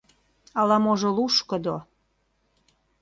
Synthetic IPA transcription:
ɑlɑmoʒoluʃkə̆d̪o

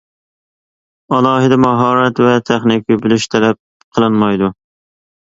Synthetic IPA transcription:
ɑlˠɑːɦɪd̪ɛmɑɦɑːɾɛt̪vɛt̪ʰɛχnɪkʰʲibylyʃt̪ʰɛlɛp̚ | qʰəlˠɨnmɑjd̪u

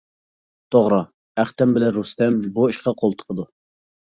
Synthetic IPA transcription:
t̪ʰoʁɾɑ | æχt̪ɛmbɪlɛɾust̪ɛmbuiʃqɑqʰolˠt̪ʰə̥qʰəd̪u

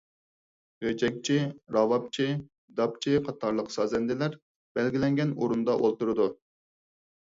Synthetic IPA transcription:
ʁød͡ʒɛk̚ʲt͡ʃʰiɾɑwɑp̚t͡ʃʰi | d̪ɑp̚t͡ʃʰiqʰɑt̪ʰɑɾlˠəqsɑːzɛnd̪ɪlæɾ | b̥ɛlɡʲilɛŋɡʲɛnoɾund̪ɑʔolˠt̪uɾɨd̪u

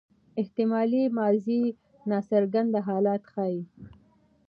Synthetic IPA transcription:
ɪht̪ɪmɑlimɑzi | nɑsaɾɡand̪aɦɑlɑt̪xɑi

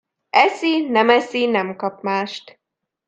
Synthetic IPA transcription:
ɛsinɛmɛsinɛmkɒp̚maːʃt̪

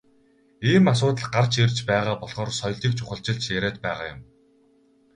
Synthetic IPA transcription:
iːmas̬ʊːt̪ə̆ɮɢart͡ɕerʲt͡ɕpæːʁaːpɔɮχɔːrsɔjɮiːk̚t͡ɕʰʊχə̆ɬt͡ɕɪ̆ɮt͡ɕjæɾæːt̪pæːʁa̰ːjʊ̰m

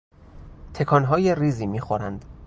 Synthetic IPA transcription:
t̪ʰe̞kʰɒnɦɒːjeriːziːmiːxoɾænd̪̥

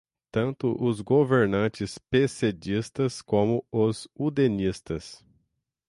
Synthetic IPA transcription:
t̪ɐ̃nt̪ʊʔʊzɡoveɾnɐ̃t͡ʃɪspesed͡ʒist̪ɐskõmʊʊzud̪enist̪ɐs

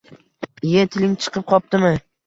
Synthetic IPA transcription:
ɪjat̪ʰɪlɪŋt͡ʃʰɨ̥qʰɨp̚qʰɒp̚t̪ɪmɪ

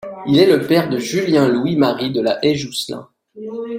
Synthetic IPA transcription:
ilɛləpɛʁd̪əʒyljɛ̃lwimaʁid̪əlaʔɛʒuslɛ̰̃

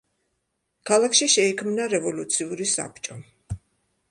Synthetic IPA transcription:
kʰalˠakʰʃiʃɛikʰmnaɾɛvɔlut̪sʰiuɾisa̰p̚ʰt͡ʃʼɔ

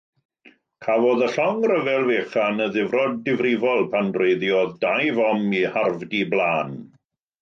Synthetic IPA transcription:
kʰavɔðəɬɔŋrəvɛlˠveːχanəðɪvrɔdːɪvrɪvɔlˠpʰandrejðjɔðdajvɔmiharvdiblˠaːn

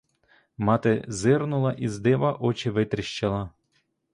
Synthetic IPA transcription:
mɑt̪ɪzɪrnʊlˠɐʔizd̪ɛʋaʔɔt͡ʃɪʋɪt̪ɾɪʃt͡ʃɐlˠɐ

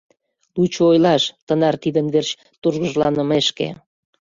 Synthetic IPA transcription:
lut͡ɕoojlɑʃt̪ənɑrt̪id̪ənβert͡ɕ | t̪urɣəʒlɑnəmeʃkḛ

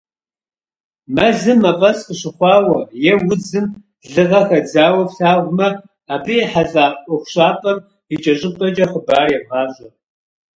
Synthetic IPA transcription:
mɐzɨmːɐpʼɐsqəɕɪχʷɑːwɐjɛwʊd͡zɨm | ɮɨʁɐxɐd͡zaːwɐfɬaːʁʷmɐ | aːbɨħaɮaːʔʷʼɔxʷɕʼaːpʼɐm | it͡ʃʼɐɕʼɪpʼɐt͡ʃʼɐχəbaːjɛʁɑːʒɐ

